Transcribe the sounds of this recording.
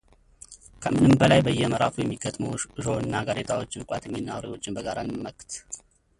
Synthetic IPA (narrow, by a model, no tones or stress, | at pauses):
kʰəmɨnɨmbəlajbəjːɛməɾa̰fujɛmːiɡət̪ʼməwɨʃo̞ɨnːaɡaɾet̪ʰawo̞t͡ʃːbɨkʼat̪ʰəmːinːawɾewo̞t͡ʃːɪnbəɡaɾanɨmːəkt̪